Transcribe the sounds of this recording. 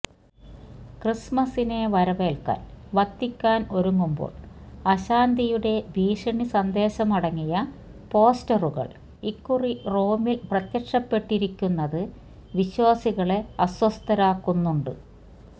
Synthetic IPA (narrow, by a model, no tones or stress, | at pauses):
krismɐsine̞ʋɐɾɐʋeːlka̰ːnʋɐt̪ːikʲːaːno̞ɾuŋːumbo̰ːɭɐɕaːnd̪ijuɽe̞bʱiːʂɐɳisɐnd̪e̞ːɕɐmɐɽɐŋːijɐ | po̞ːstɐruɣɐ̰ɭ | ikːuriro̞ːmilprɐt̪jɐkʂɐpːe̞ʈːiɾikʲːunːɐðɨ | ʋiɕwaːsiɣɐɭe̞ɐswɐst̪ɐɾaːkːunːuɳɖɨ